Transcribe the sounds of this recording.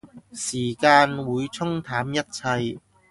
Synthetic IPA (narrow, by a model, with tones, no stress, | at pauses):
siː˨˩kaː˧nwuː˨˧jt͡sʰʊ˥ŋt̪ʰaː˨˥mjɐ˥t̚t͡sʰɐ˧j